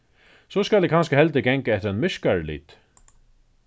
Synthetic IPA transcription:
sɔskalɛk̚ʰanskəhɛlt̪ɪɡɛŋkaɛt̪ɪɾanmɪʂkaɹlḭːt̪

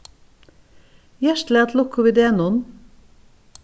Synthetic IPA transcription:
jæʃʈleːɑt̪lʊkʊʋiːd̪eːnʊn

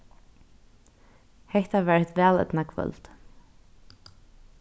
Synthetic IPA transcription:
hɛht̪avɛːɹɪht̪ʋɛːlɛ̰t̪nakvœ̰lt̪

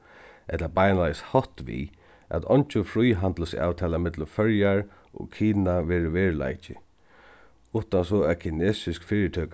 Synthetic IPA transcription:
ʔɛt̪labajnalajshɔht̪ʋḭ | ʔæ̰t̪ʰɔɲt͡ʃʊfɾujɦand̪ləsa̰ːwt̪ʰɛːlamɪt̪lʊmfœɹjaɹ | ɔ̰kʰiːnaʋɛːɹəʋɛːɹla̰jt͡ʃɪ̰ | ʊht̪ansɔːɛkʰɪneːsɪskfɪːɾət̪ʰøːk

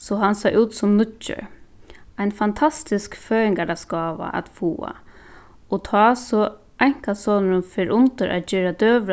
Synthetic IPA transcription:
sɔɦansajʔʉːt̪sʊmnʊt͡ʃːə̰ | ajnfant̪ʰast̪ɪskføːjɪŋkaɾaskɑːʋa̰ʔa̰t̪fuːa̰ | ɔt̪ʰɑːsɔ | ʔajŋ̥kasɔːnəɾʊnfɪɾʔʊnt̪əɾʔa̰t̪d͡ʒɪːɾad̪øːʋɾ

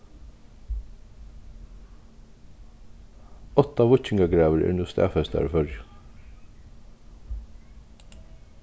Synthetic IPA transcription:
ɔt̪ːaʋʊt͡ʃɪŋɡaɡɹaːʋəɹɛ̰ːɹnust̪æ̰ːfɛst̪a̰ɹfœɹj

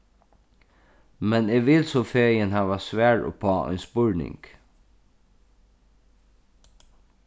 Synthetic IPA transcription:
mɛneːʋɪlsɔfeːjənɦaːʋasʋæːɹɔ̰pʰɑːɔ̰jnspʊɹnɪ̰ŋk

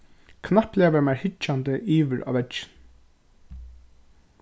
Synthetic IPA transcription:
kʰnaplɛːʋɛɹmajɹhɪt͡ʃːant̪əʔiːʋɪɾʔa̰ːʋɛɪ̥n

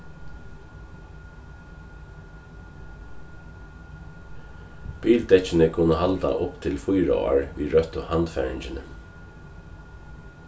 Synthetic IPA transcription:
b̥iːlt̪ɛt͡ʃɪnəkʰʊnəɦalt̪a̰ʔʊpt̪ʰɪlfʊjɾa̰a̰ɹʋiːɾœt̪ʊhant̪fɛ̰ːɹɪɲt͡ʃɪnə

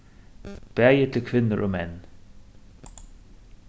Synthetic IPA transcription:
b̥æjət̪ʰlkʰʋɪnəɹʔoːmɛn

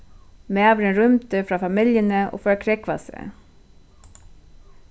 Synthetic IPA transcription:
meːɑːʋəɾənɾʏmt̪əfɾɑːfɑmɪljənəʔo̰ːfœɾkʰɾɛkʋɑ̰sə̰

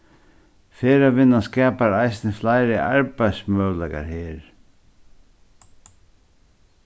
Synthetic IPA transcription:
feːɾaʋɪnaskɛːpaɾajsnəflaɪɾəʔa̰ɹpajsmœːwlaka̰ɾheːɾ

